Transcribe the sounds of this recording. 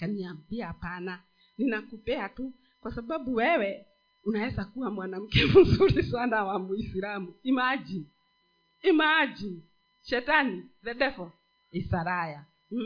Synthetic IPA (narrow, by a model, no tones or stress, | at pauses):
kaniambiapana | ninakupɛatu | kwasababuwɛwɛ | unaɛzakuwamwanam̩kɛmuzuɾisanawamuisilamuimad͡ʒi | imad͡ʒi | ʃɛtaniðɛɗɛfɔ | isaɾaja